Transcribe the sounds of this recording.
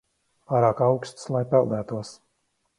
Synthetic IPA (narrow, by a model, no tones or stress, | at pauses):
paːɾaːkawkst̪slˠajpɛlˠd̪æːt̪uɔs